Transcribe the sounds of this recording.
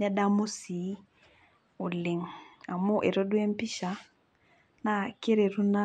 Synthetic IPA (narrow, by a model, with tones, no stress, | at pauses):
a˦da˦mo˦si˨˦ | o˨le˨ŋa˨mo˦ʔɛ˨ɾɔ˦dwɛ˦m˦pi˦ʃa˨˦ | na˦ke˦ɾe˨ɾu˦na˦